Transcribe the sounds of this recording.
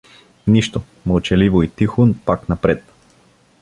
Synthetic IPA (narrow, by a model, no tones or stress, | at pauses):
niʃt̪o | məlˠt͡ʃɛlivoit̪ixonpaknapɾɛt̪